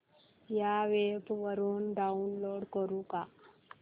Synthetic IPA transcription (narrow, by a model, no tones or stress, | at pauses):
jaʋebʋəɾuːnɖaunloɽkəɾũka